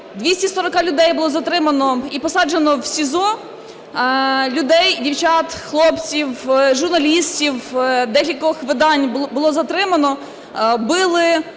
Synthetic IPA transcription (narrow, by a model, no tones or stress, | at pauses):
d̪ʲʋʲisʲtʲisɔɾɔkɑlʲʊd̪ɛjbʊlˠɔzɐt̪ɾɪmɐnɔipɔsɑd͡ʒenɔwsʲizɔ | lʲʊd̪ɛjdʲiwt͡ʃɑt̪xlˠɔpt͡sʲiwʒʊrnɐlʲisʲtʲiwd̪ɛkʲilʲkɔʋɪxʋɪd̪ɑnʲbʊlˠɔzɐt̪ɾɪmɐnɔ | bɪlˠɪ